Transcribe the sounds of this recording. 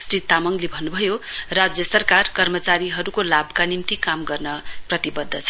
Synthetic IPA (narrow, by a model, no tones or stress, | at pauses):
srit̪ːamʌŋlebʱʌnːubʱʌjorad͡zjʌsʌrkarkʌrmʌt͡saɾiɦʌɾukolabkanimt̪ikamɡʌrnʌprʌt̪ibʌd̪ʱːʌt͡sʰʌ̥